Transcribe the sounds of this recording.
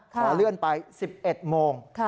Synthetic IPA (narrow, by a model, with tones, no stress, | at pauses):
kʰɔː˩˦lɯ˥˩ənpa˧jsi˨˩p̚ʔe˨˩t̪̚moː˧ŋʰ